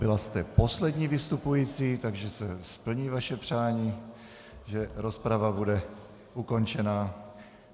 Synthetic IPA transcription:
bɪlast̪ɛpo̞slɛdɲiːvɪst̪upujiːt͡siːt̪aɡʒɛsɛspl̩ɲiːvaʃɛpr̝̥aːɲiː | ʒɛɾo̞spɾavabudɛ | ʔuko̞nt͡ʃɛnaː

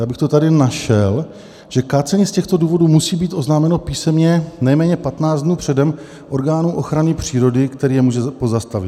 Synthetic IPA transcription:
jaːbɪxt̪o̞t̪adɪnaʃɛl | ʒ̥ɛkaːt͡sɛɲiːscɛxt̪o̞duːvo̞duːmusiːbiːt̪ʔo̞znaːmɛno̞piːsɛmɲɛnɛjmɛːɲɛpat̪naːd͡zd̪nuːpr̥ɛdɛm | ʔo̞ɾɡaːnuːʔo̞xɾanɪpr̝̥iːɾo̞dɪkt̪ɛɾiːjɛmuːʒɛpo̞zast̪avɪt̪

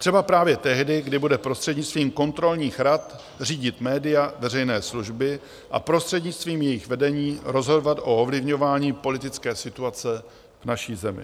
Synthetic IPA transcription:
r̥ɛbapɾaːvjɛt̪ɛɦdɪɡdɪbudɛpɾost̪r̥ɛdɲɪt͡st̪viːmko̞nt̪ɾo̞lɲiːxɾat̪ | r̝iːɟɪt̪mɛːdɪjavɛrɛjnɛːsluʒbɪ | ʔa̰pɾo̞st̪r̥ɛdɲɪt͡st̪viːmjɛjɪxvɛdɛɲiːɾo̞zɦo̞dovat̪ʔoovlɪvɲo̞vaːɲiːpo̞lɪt̪ɪt͡skɛːsɪt̪uat͡sɛ | vnaʃiːzɛmɪ̰

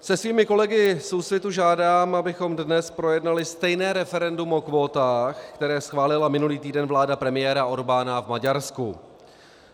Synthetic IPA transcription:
sɛsviːmɪko̞lɛɡɪsowsvɪt̪uʒaːdaːmabɪxo̞mdnɛspɾo̞jɛdnalɪst̪ɛjnɛːɾɛfɛɾɛndumo̞kvo̞ːt̪aːxkt̪ɛɾɛːsxvaːlɪlamɪnuliːt̪iːdɛnvlaːdapɾɛmɪjɛːɾaʔo̞ɾbaːnavmaɟaɾsku

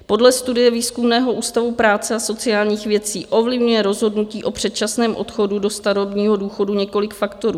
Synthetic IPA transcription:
po̞dlɛst̪udɪjɛviːskumnɛːɦo̞ʔuːst̪avupɾaːt͡sɛaso̞t͡sɪjaːlɲiːxvjɛt̪t͡siːʔo̞vlɪvɲujɛɾo̞zɦo̞dnuciːʔo̞pr̝̥ɛt̪t͡ʃasnɛːmʔo̞̰t̪xo̞dudo̞st̪aɾobɲiːɦo̞duːxo̞duɲɛko̞lɪkfakt̪o̞ɾuː

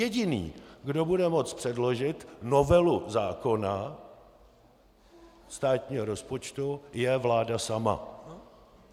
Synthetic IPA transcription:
jɛɟɪnḭːɡdo̞budɛmo̞t͡spr̥ɛdlo̞ʒɪt̪no̞vɛluzaːko̞na | st̪aːt̪ɲiːɦoɾo̞spo̞t͡ʃt̪ujɛvlaːdasama̰

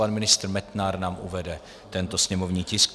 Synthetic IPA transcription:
anmɪnɪst̪ɾmɛt̪naɾnaːmʔuvɛdɛ | t̪ɛnt̪o̞sɲɛmovɲiːcɪsk

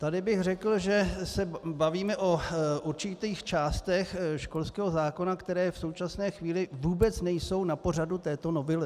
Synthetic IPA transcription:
t̪adɪbɪxrɛkl̩ʒɛsɛbaviːmɛʔo̞ʔuɾt͡ʃɪt̪iːxt͡ʃaːst̪ɛxʃko̞lskɛːɦo̞zaːko̞nakt̪ɛɾɛːfso̞wt͡ʃasnɛːxviːlɪvuːbɛt͡snɛjso̞wnapo̞r̝adut̪ɛːt̪o̞novɪlɪ

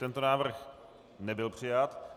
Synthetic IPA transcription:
t̪ɛnt̪onaːvr̩x | nɛbɪlpr̝̥ɪjat̪

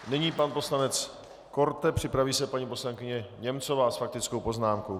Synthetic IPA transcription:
nɪɲiːpanpo̞slanɛt͡s | ko̞ɾt̪ɛpr̥ɪpɾaviːsɛpaɲipo̞slaŋkɪɲɛɲɛmt͡so̞vaːsfak̚t̪ɪt͡skowpo̞znaːmko̞w

